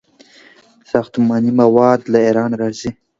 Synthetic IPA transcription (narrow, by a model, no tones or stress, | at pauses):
sɑxt̪umɑnimawɑd̪laiɾɑːnɾɑzi